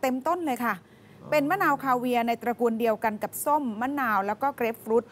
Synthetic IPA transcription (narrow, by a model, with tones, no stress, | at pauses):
t̪e˧mt̪o˥˩˨nlɤː˧jkʰa˥˩ | pe˧nmaː˥˨naː˧wkʰaː˧wi˧ɐna˧jt̪ɾa˧ku˧ndi˧əwka˧nka˨˩p̚so˥˩mːaː˥˩naː˧wlɛː˦˥wkɔː˥˩kɾeː˦˥p̚fɾuː˦˥t̪̚